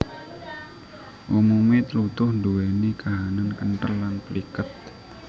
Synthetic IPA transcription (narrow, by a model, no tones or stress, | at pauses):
ʔumumit̪lut̪ʊhnduwenikaɦanankənʈəllanpəlikət̪̚